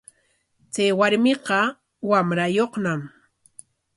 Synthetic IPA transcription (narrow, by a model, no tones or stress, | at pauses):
t͡sajwaɾmɪqɑ | wamɾajoχnam